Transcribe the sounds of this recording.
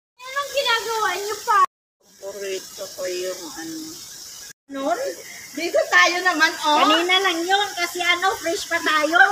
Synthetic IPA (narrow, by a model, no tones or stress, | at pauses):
noŋɡɪnaːɡɐwaʔɲopɐ | omkʊɾit̪okɐjʊŋɐno | nond̪iːt̪ot̪aːjonɐmanʔokɐniːnɐlɐŋjonkɐsɛʔɐno̞fɾɛʃpɐt̪aːjo̞